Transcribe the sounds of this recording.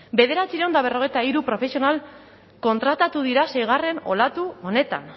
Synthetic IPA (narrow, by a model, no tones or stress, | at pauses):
be̞ðe̞ɾat͡siɾeo̞nd̪aβ̞e̞ro̞ɣ̞e̞jt̪aiɾupɾo̞fe̞sio̞nal | ko̞nt̪ɾat̪at̪uðiɾase̞jɣ̞are̞no̞̰lat̪uo̞ne̞t̪a̰n